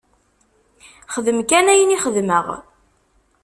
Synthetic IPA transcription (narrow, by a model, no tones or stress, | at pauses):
χəðəmkænæjəniχəðməʁ